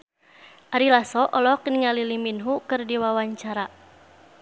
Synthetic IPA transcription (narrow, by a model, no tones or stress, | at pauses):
ʔaɾilasɔʔɔlɔkniŋaliliminɦukɨrdiwawaɲt͡ʃaɾa